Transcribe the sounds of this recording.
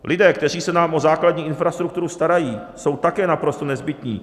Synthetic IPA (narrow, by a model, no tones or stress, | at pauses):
lʔɪdɛːk̚t̪ɛriːsɛnaːmʔo̞zaːkladɲiːʔɪnfɾast̪ɾuk̚t̪uɾust̪aɾajiː | so̞wt̪akɛːnapɾo̞st̪o̞nɛzbɪt̪ɲḭː